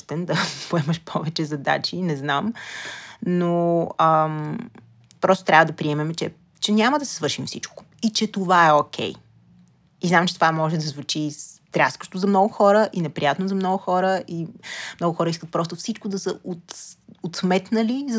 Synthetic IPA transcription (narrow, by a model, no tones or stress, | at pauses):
st̪ɛnd̪ɐpoɛməʃpʰɔvɛt͡ʃɛzɐd̪a̰t͡ʃinɛznam | noəm | pɾɔst̪o̥t̪ɾʲavəd̪ɐpɾiɛmɛmt͡ʃɛ | t͡ʃɛnʲaməd̪ɐsɛ̥svɤɾʃimfsit͡ʃko̥ | it͡ʃɛt̪ovaɛokʲʰɛ̰j | iznamt͡ʃɛ̥t̪ovamɔʒɛd̪ɐzvut͡ʃit̪ɾʲaskə̥ʃt̪ozɐmnɔɡʊxɔɾəʔinɛpɾijat̪nozɐmnɔɡʊxɔɾəʔimnɔɡʊxɔɾəiskət̪̚pɾɔst̪ofsit͡ʃkod̪ɐsə̰ot̪ot̪smɛt̪nəliz